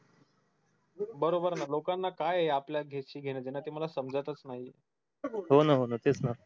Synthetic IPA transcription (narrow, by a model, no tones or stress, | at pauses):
bəɾobəɾnalokanːakajeapljaɡʱetɕiːɡʱeñed͡zenːat̪im̤əlasəmd͡zət̪ət͡snaɦi | ɦonəɦonət̪et͡sna